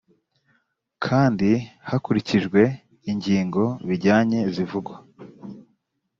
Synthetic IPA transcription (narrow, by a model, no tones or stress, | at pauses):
kʰaːndihakuɾiciʒɡwe̞ | iɲɟiːŋɡo̞βiɾɟaːɲe̞zivuɡwa